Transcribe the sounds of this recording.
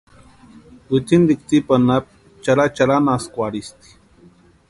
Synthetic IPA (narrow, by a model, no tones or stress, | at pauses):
wit͡s̪ind̪ik̚t͡sipanap̚ | t͡ʃaɾat͡ʃaɾanaskʷaɽist̪i̥